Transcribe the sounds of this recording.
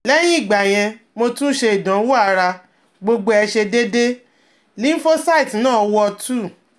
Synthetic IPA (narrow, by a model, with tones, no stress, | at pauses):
lɛ˦j̃ĩ˦i˦˨ɡ͡ba˨j̃ɛ̃˧ | mo˧tũ˦ʃe˧i˨dã˨˦wo˦a˦˨˦ɾa˧ | ɡ͡bo˧ɡ͡bo˧ɛ˧ʃe˧de˦de˦ | lĩ˦fo˦sa˦i˨tnãː˦˨˧wɔ˧tʰu˦˨